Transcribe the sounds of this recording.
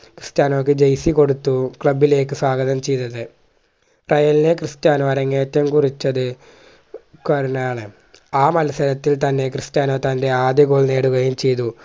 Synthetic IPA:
krɨstaːnoːk̬ːɨd͡ʑejsiko̞ɽut̪ːukɭɐbːile̞ːkːɨswaːɡɐðɐmt͡ɕe̞jt̪ːɐðɨ | rɐjɐlinekrɨstjaːnoːɐɾɐŋːeːtːɐmkurit͡ɕːɐðɨ | kɐɾunaːɳɨ | aːmɐlɐsɐɾɐt̪ːilt̪ɐnːe̞krɨstjaːnoːt̪ɐnde̞aːd̪jɐɣoːɭne̞ːɽuɣɐjumt͡ɕe̞jt̪̬u

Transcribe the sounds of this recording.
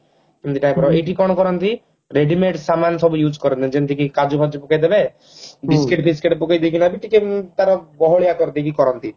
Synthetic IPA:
emnt̪iʈajpɔɾɔeʈikɔɽɔkɔɾɔnt̪i | ɾeɖimeʈsamansɔbujud͡ʒkɔɾɔnt̪ind͡ʒent̪ikikad͡ʒubʱad͡ʒɔpɔkajd̪ebe | ɖiskɾiʈbʰʱiskeʈpɔkajd̪ekʰinabiʈiket̪aɾɔbɔɦɔɭijakɔɾɔnt̪ik̬ikɔɾɔnt̪i

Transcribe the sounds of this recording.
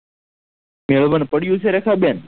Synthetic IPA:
meɭʋənpəɽjũːt͡ʃʰeɾekʰaːbjaːn

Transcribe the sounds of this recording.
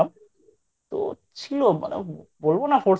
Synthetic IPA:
am | t̪o̰t͡ɕʰiloma̰nḛbolbonafoɾ

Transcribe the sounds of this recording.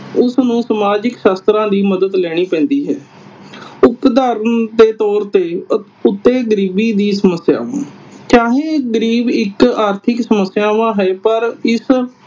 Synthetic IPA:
ʊsnũːsəmaːd͡ʒɪkʃaːst̪ɾãːd̪iːməd̪əd̪lɛːɽ̃iːpɛ̃ːnd̪iːɦɛː | ʊpd̪aːɾənd̪eːt̪ɔːɾt̪eː | ʊt̪ːeːɡəɾiːbiːd̪iːsəməsja̰ːʋã̰ːkjaːɦeːɡəɾiːbɪkaːɾt̪ʰɪksəməsːjaːʋãːɦɛːpəɾɪs

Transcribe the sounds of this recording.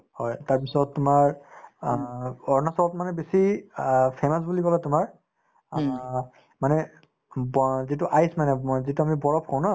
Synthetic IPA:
hɔjtaɹpisɔtːʊmaɹ | ɔɹnasɔɔt̚manɛbesi | pʰemas̬bulikɔlatʊmaɹ | manɛ | zituʔajsmanɛzituamibɔɹɔp̚kʰɔw̃na

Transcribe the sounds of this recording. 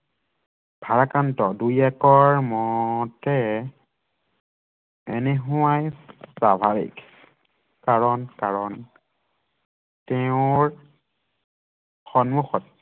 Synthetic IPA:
b̥ʱaɹakantɔdujɛkɔɹmɔtɛ | ḛnɛɦuwajpɹabʱaɹḭk | kaɹɔnkaɹɔn | tɛʊ̃ɹ | xɔnmuxɔt̚

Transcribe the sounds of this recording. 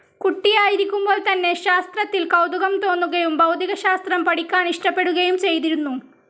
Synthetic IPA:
kuʈːijaːjiɾikʲːumbo̞ːlt̪ɐnːe̞ɕaːst̪rɐt̪ːilkɐwd̪uɣɐmt̪o̞ːnːuɣɐjumbɐwd̪ʱiɣɐɕaːst̪rɐmpɐɽikʲːaːniʂʈɐpːe̞ɽuɣɐjumt͡ɕe̞jt̪̬iɾunːu

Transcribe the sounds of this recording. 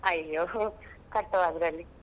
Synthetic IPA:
ɐjːokɐʈːɐʋaːd̪ɾɐlːi

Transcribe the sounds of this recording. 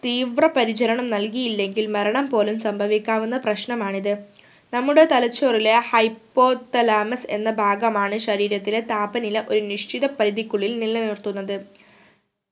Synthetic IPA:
t̪iːʋrɐpɐɾit͡ɕɐɾɐɳɐmnɐlkijilːe̞ŋɡilmɐɾɐɳɐmpo̞ːlumsɐmbʱɐʋikʲːaːʋunːɐprɐɕɳɐmaːɳiðɨ | nɐmːuɽe̞t̪ɐlɐt͡ɕːoːrilehɐjpːo̞ːd̪ɐlaːmɐse̞̰nːɐbʱaːɡɐmaːɳɨɕɐɾiːɾɐt̪ːile̞t̪aːbɐnileʔo̞ɾuniʂt͡ɕiðɐpɐɾiðikːuɭːilnilːɐnirt̪unːɐðɨ

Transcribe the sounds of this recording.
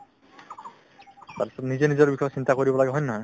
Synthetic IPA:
t̪aɹpi̥sɔt̪nizenizɔɹbikʰɔsint̪akoɹibɔlaɡeɦɔjnɔɦɔj

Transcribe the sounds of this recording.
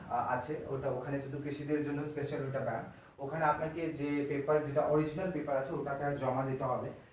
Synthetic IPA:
a̰t͡ɕʰeoʈaokʰanet͡ʃʰud̪ʱukɾiʃid̪eɾd͡ʑonːospeʃaloʈabã̰ɳʈ | okʰaneapnaked͡ʑepepəɾd͡ʑeʈaʔɔɾid͡ʑinalpepəɾat͡ɕʰeoʈakad͡ʑɔmad̪it̪eɦɔbe

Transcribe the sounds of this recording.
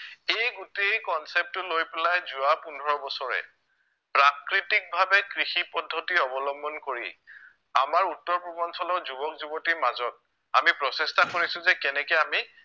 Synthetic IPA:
ejɡutejkɔnsep̚tʊlojpelajzʊwapundʱɔɹɔbɔsɔɹɛ̰ | pɹakɹitik̚bʱabɛkɹixipɔdʱːɔtiɔbɔlɔmbɔnkoɹḭ | amaɹutːɔɹpɹɔbɔnsɔlɔɹzubɔk̚zubɔtiɹmazɔt̚ | amipɹɔsestakoɹisʊ̃zɛkɛnɛkɛami

